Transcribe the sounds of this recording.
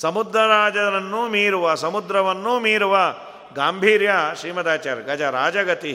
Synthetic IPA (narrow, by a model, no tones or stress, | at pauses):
sɐmud̪ɾɐɾaːd͡ʒɐɾɐnːumiːɾuʋɐsɐmud̪ɾɐʋɐnːumiːɾuʋɐ | ɡaːmbʱiːɾjɐʃɾiːmɐd̪aːt͡ʃɐɾɡɐd͡ʒɐɾaːd͡ʒɐɡɐt̪i